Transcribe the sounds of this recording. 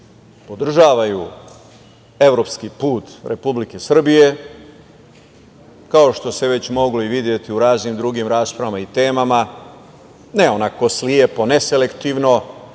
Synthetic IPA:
po̞d̪r̩ʒaːʋaju | e̞ʋɾopskipuːt̪ɾʔepublike̞sr̩bije̞ | kao̞ʃt̪o̞se̞ʋe̞t͡ɕmo̞ɡloiʋid̪je̞t̪iuɾaːznimd̪ɾuɡimɾaːspɾaʋamait̪e̞ːmama | neo̞nako̞sliepo̞ne̞se̞le̞kt̪iʋno̞

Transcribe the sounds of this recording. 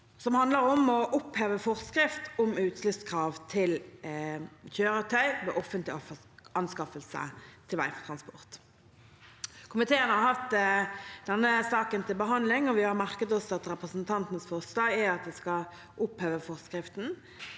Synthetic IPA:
sɔmhɑnd̪ləɾɔmɔʔʊpheːʋəfɔʁskɾɪft̪ɔmʉːt̪slʏtskʰʁɑːʋt̪ʰɪl | çøːɾət̪ʰœʏʋḛːʔɔfənt̪lɪɔf | ɑnskɑfəlsə̰t̪ʰɪlʋæ̰ɪfɔt̪ʰɾɑnspɔʁt̪ | kʰʊmɪt̪ʰeːənəhɑɾhɑft̪ | d̪ɛnːəsɑːkənt̪ʰɪlbəɦɑnd̪lɪŋɔʋɪhɑʁmæʁkət̪ɔsɑt̪ɾɛpʁəsənt̪ʰɑnt̪nəsfɔʁslɑːɡæɑt̪̚d̪ɛskɑ | ʔʊpheːʋəfɔʁskɾɪft̪n̩

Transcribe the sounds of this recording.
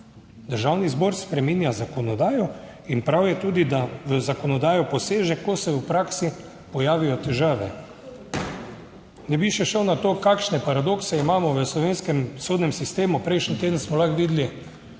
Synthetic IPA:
d̪əɾʒawnizbɔɾspɾɛminjazakɔnɔd̪aːjɔ | inpɾawjɛt̪uːd̪id̪aʋəzakɔnɔd̪aːjɔpɔseːʒɛkosɛupɾaːksi | pɔjaːʋijɔt̪ɛʒaːʋɛ̰ | nɛbiʃɛʃəwnat̪oːkaːkʃnɛpaɾad̪oːksɛimaːmɔʋəslɔʋeːnskɛmsoːd̪nɛmsist̪eːmupɾɛjʃnint̪eːd̪ən̩smɔlaxʋiːd̪li

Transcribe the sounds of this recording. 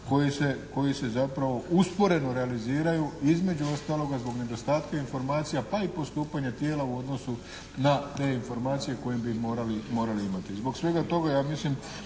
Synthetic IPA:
ko̞jiseko̞jise̞zapɾaʋo̞uspo̞ɾe̞no̞ɾe̞aliziːɾajuizme̞d͡ʒuo̞st̪aːlo̞ɡazbo̞ɡne̞d̪o̞st̪aːt̪kainfo̞ɾmaːt̪sijapaipo̞st̪uːpaɲat̪jeːlauo̞d̪no̞su | nat̪e̞ːinfo̞ɾmaːt̪sije̞ko̞jimbimo̞ːɾalimo̞ːɾaliimat̪izbo̞ɡsʋe̞ɡat̪o̞ɡajaːmislim

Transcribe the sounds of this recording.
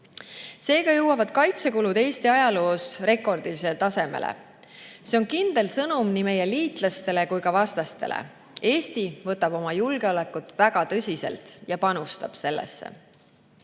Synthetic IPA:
se̞ːɡɑjɤwːɑvɑd̪̥kɑjt̪se̞kulud̪̥e̞ːst̪iɑjɑlo̞ːsre̞ko̞rd̪̥ilis̬elt̪ɑse̞me̞̰lḛ | seo̞nkind̪e̞lsɤnumnime̞je̞liːt̪ˑlɑst̪e̞le̞kujkɑvɑst̪ɑst̪e̞̰lʔḛ | e̞ːst̪ivɤt̪ːˑɑb̥o̞mɑjulɡ̥eo̞le̞kːˑut̪ːvæɡ̥ɑt̪ɤsʲise̞̰lt̪jɑpɑnust̪ɑb̥se̞lːḛsːḛ

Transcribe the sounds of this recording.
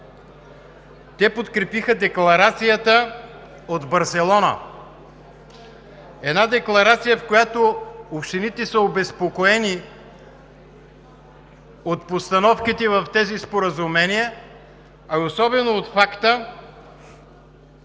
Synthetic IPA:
t̪ɛpot̪kɾɛpixəd̪ɛklˠɐɾat̪sijət̪ə | od̪bɐɾsɛlˠɔnə̰ | ɛd̪nad̪ɛklˠɐɾat̪sijəfkojat̪oopʃt̪init̪ɛsəobɛspokoɛni | ot̪̚post̪ɐnɔfkit̪ɛvɐft̪ɛzispoɾəzumɛniə | ɐiosɔbɛnoːt̪fakt̪ə

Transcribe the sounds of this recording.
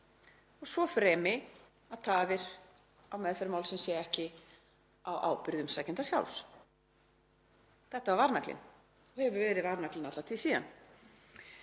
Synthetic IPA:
ɔɣsvɔfɾɛːmɪ | aðt̪ʰaːvɪɾ̥ | awmɛðfɛɾmawlsɛmsjɛɛhcɪ | awʔa̰ːwpʏɾðʏmsaːcɪnt̪asja̰wls | θɛht̪ːaːvaɾnaklɪ̰n | ɔɣhɛvʏɾvɛːɾɪðvaɾnaklɪnat̪at̪ʰɪlsiːða̰n

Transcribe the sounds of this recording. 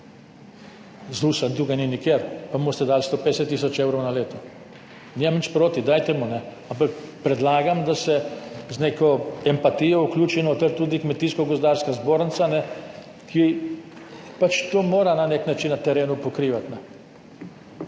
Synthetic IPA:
zuːsad̪uːɡajninikjeɾpamost̪ɛd̪aːlst̪oːped̪ɛsɛt̪ːis̬ɔt͡ʃeːwɾɔwnaleːt̪ɔ | niːmamnit͡ʃpɾoːt̪id̪aːjt̪ɛmunɛampakpɾɛd̪laːɡamd̪asɛznekɔɛmpat̪ijɔuklʲuːt͡ʃinɔt̪ɛɾt̪uːd̪ikmɛt̪iskɔɡos̬d̪aːɾskazboːɾnt̪sanɛ | kʰi | pat͡ʃt̪oːmoːɾananeknat͡ʃinːat̪ɛɾeːnupɔkɾiːʋat̪nɛ

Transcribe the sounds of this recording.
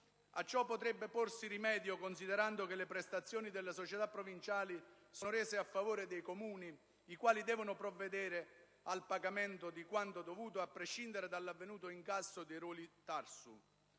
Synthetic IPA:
at͡ʃːɔpːot̪ɾɛbːeporsiɾimɛːd̪jokons̬id̪eɾand̪ʊkelːepɾɛst̪at̪sːjoːnid̪elːasot͡ʃɛt̪apːɾovint͡ʃaːli | sonʊɾɛːsɪafːavoːɾed̪ejkomuːniː | kwaːlid̪ɛːvʊnʊpɾɔvːed̪ɛːɾɪ | alpaɡamɛnt̪ʊd̪ikwant̪od̪ovuːt̪oapːɾeʃːind̪eɾed̪alːavːenuːt̪oiŋkasːod̪eɾoːlit̪arsṵ

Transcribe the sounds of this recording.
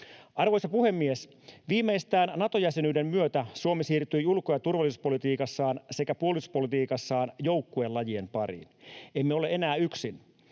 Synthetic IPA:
ʔɑrʋo̞jsɑpuhe̞mːies | ʋiːmːeist̪æːnnɑt̪o̞jæsenyːde̞mmyøt̪æsuo̞mesiːrt̪yjulkːojɑt̪urʋɑlːˑisuspo̞lit̪iːkɑsːɑːnse̞kæpuo̞lˑisuspo̞lit̪iːkɑsːɑːnjo̞wkːuelɑjie̞mpɑrḭːnemːeole̞e̞næːyksin

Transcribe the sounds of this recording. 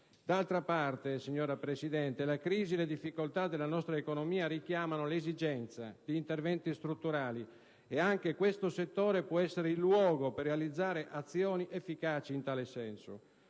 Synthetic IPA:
d̪alt̪ɾapart̪esiɲːɔːɾapɾesid̪ɛnt̪elakɾiːziled̪ifːikolt̪ad̪elanɔst̪ɾaekonomiːaɾik̟jaːmanolezid͡ʒɛnt̪sa̰d̪iːnt̪ervɛnt̪ist̪ɾut̪ːuɾaːli | eaŋk̟ekwest̪oset̪ːoːɾepwɔɛsːeɾeilːwɔːɡoperːealid̪zːaːɾeʔat̪sːjɔːniʔefːikaːt͡ʃiːnt̪aːlesɛnso̰

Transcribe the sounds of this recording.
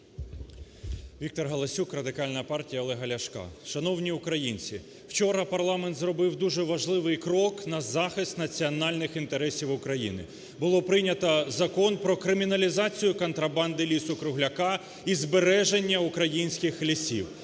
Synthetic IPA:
ʋʲik̚t̪ɔrɦɐlˠɐsʲukrɐd̪ɪkɑlʲnɐpɑrtʲijɐɔlˠɛɦɐlʲɐʃkɑ̰ʃɐnɔwnʲiʊkɾɐjinʲt͡sʲi | wt͡ʃɔɾɐpɐrlˠɑment̪zrɔbɪwd̪uʒɛʋɐʒlˠɪʋɪjkɾɔknɐzɑxɪst̪nɐt͡sʲiɔnɑlʲnɪxint̪eɾɛsʲiwʊkɾɐjḭnɪ̰ | bʊlˠɔpɾɪnʲɐt̪ɐzɐkɔnpɾɔkɾɪmʲinɐlʲizɑt͡sʲijʊkɔnt̪ɾɐbɑnd̪ɪlʲisʊkɾʊɦlʲɐkɑ | izbeɾɛʒenʲːɐʊkɾɐjinʲsʲkɪxlʲisʲḭw

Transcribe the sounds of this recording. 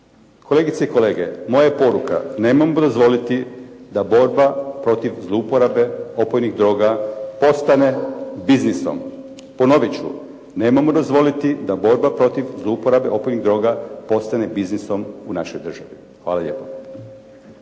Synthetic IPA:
kʰo̞le̞ːɡit̪seiko̞le̞ːɡḛmo̞jajepo̞ɾuka̰ne̞ːmamod̪o̞zʋo̞lit̪id̪abo̞ɾbapɾo̞t̪iʋzlˠoupoɾabe̞o̞pojniɣd̪ɾo̞ːɡapo̞st̪ane̞bizniso̰m | po̞no̞ʋit͡ɕṵ | ne̞ːmamod̪o̞zʋo̞lit̪id̪abo̞ɾbapɾo̞t̪iʋzlˠoupoɾabeʔo̞pojniɣd̪ɾo̞ːɡapo̞st̪ane̞bizniso̞munaʃo̞jd̪r̩ʒaʋi | xʋa̰ːlˠaʎʲe̞̰ːpo

